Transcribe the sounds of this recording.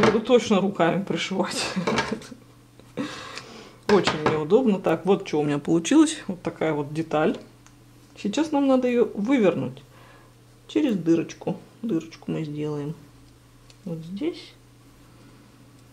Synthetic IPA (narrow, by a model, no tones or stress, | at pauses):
jaɡɐd̪ut̪o̞t͡ɕnəɾʊkamʲɪpɾʲɪʂɨvatʲ | ot͡ɕɪnʲnʲɪʊd̪o̞bnət̪akvo̞t̪̚t͡ɕɪvoʊmʲɪnʲapəlˠʊt͡ɕilˠəsʲvo̞t̪ːɐkajəvo̞t̪̚dʲɪt̪alʲ | sʲɪt͡ɕasnamnad̪əjɪjovɨvʲɪrnṵtʲ | t͡ɕɪɾʲɪzʲd̪ɨɾət͡ɕkʊd̪ɨɾət͡ɕkʊmɨzʲdʲe̞lˠəjɪm | vot̪zʲdʲesʲ